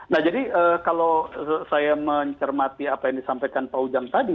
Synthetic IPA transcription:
nahd͡ʒadiəkalosajaməɲt͡ʃərmat̪iapajaŋdisampajkanpaud͡ʒaŋt̪adi

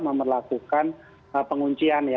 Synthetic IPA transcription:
məmərlakukan | əpəŋuɲt͡ʃianja

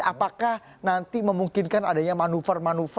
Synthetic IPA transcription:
apakah | nant̪iməmuŋkɪnkana̰daɲamanufərmanuf

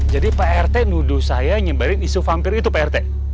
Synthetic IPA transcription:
d͡ʒadipeɛrt̪enuduhsajaɲəbaɾɪnisufampɪɾit̪upeɛrt̪e

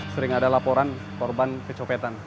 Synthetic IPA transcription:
səɾɪŋadalapɔɾan | kɔrbankət͡ʃɔpet̪an

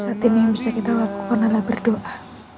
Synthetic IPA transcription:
sat̪inɪhbisakit̪awapənalabərdoʔa

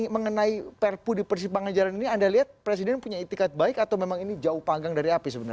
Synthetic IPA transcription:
məŋənaipɛrpudipərs̬ibaŋand͡ʒalaniniandaliɦat̪̚pɾes̬idɛnpuɲait̪ikat̪̚baikat̪awmemaŋinid͡ʒaupaŋɡaŋdaɾiapisəbənə

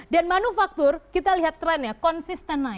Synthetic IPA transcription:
danmanufak̚t̪ʊrkit̪aliɦat̪ːɾɛnjakɔnsist̪əna

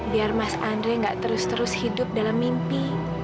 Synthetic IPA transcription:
biarmasandɾeŋɡaʔt̪əɾʊst̪əɾʊshidʊp̚dalamːimpi

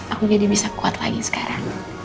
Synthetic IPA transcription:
ʔakud͡ʒadibisakua̰t̪la̰ɡisə̥kaɾaŋ

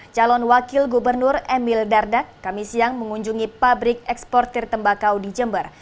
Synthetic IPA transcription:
t͡ʃalɔnwakɪlɡubərnʊrɛmɪldardakːamisiaŋməŋuɲd͡ʒuŋipabɾɪk̚ɛkspɔrt̪ɛrt̪əmbakawdid͡ʒəmbər

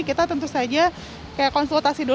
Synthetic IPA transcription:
kit̪at̪ənt̪usad͡ʒa | kajaʔkːɔnsult̪asido

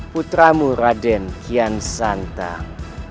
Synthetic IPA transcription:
put̪ɾamuɾadɛnkʰiansant̪a̰

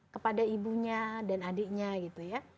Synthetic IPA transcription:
kəpadaibuɲadanadɪʔɲaɡit̪uja

